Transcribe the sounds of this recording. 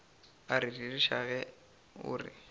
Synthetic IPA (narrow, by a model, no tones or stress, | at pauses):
aɾiririʃaɣɛ | ʊ̰ːrɪ̰